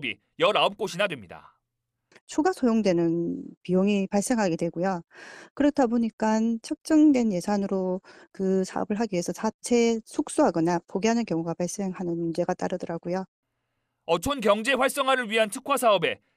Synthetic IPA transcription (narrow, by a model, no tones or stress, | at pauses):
bḭ | jʌɾaop̚k͈oɕʰinadwemɲida̰ | t͡ɕʰoɡasʰojoŋdwe̞nɯnpijoŋipaɭs͈e̞ŋɦaɡedwe̞ɡojokɯɾʌtʰaboɲik͈ant͡ɕʰʌk̚t͡ɕ͈ʌŋdwe̞nje̞sʰanɯɾokɯsʰa̰ʌ̰bɯɭɦaɡiiɦe̞sʰʌsʰat͡ɕʰe̞sʰok̚s͈uɦaɡʌnapoɡiɦanɯnkjʌŋuɡapaɭs͈e̞ŋɦanɯnmund͡ʑe̞ɡat͈a̰ɾɯdʌɾaɡ̥ojo | ʌt͡ɕʰonkjʌŋd͡ʑe̞ɸwaɭs͈ʌŋɦaɾɯɭɥiɦantʰɯkʰwasʰaʌbe̞